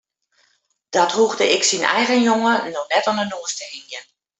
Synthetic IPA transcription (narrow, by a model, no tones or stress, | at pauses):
d̥ɔthuɣdəʔɪksinɛ̰jɣənjoŋənɔxnɛtɔnənoəstəhɪŋjən